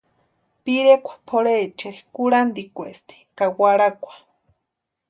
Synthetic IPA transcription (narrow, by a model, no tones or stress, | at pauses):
piɾekʷḁpʰoɾet͡ʃeɾi̥kuɾand̪ikʷest̪i̥kawaɾakʷḁ